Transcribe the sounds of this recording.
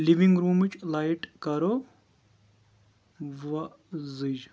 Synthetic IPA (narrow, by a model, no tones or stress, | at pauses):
liʋiŋɡɾuːmt͡ʃʰlajʈkɐɾo | ʋɐ | zɨd͡ʒ